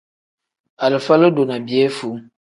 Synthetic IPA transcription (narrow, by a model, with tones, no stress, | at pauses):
a˨lɨ˨fa˦lə˦do˨na˨bi˨ɛ˦fu˨˦ŋ